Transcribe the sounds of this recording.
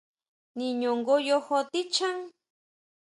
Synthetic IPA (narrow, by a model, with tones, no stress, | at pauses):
nĩ˧ɲõ˨ŋɡo˧jo˧ho˧t̪i˦t͡ʃa˦ŋ